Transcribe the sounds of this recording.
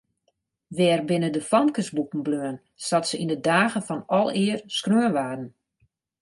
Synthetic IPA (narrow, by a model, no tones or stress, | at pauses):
ʋɛːrbɪnədəfɔmkəsbukn̩bløən | satsəindədaːɣəfɔnɔlˠɪərskrøənʋaːdn̩